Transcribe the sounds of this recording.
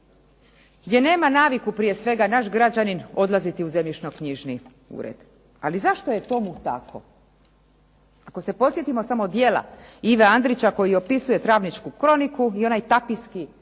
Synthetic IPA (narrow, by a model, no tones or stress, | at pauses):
ɡd̪jene̞ːmanaːʋikupɾije̞sʋe̞ɡanaʃɡɾad͡ʑanino̞d̪lazit̪iuze̞mʎit͡ʃno̞kɲiʒni | ṵɾḛd̪̥ | a̰lizaʃt̪oje̞t̪o̞mut̪a̰kʰo̞̰ | ako̞se̞po̞sjet̪imo̞samod̪je̞la̰iʋeand̪ɾit͡ɕako̞jio̞pisuje̞t̪ɾaːʋnit͡ʃkukɾo̞nikuio̞najt̪apiski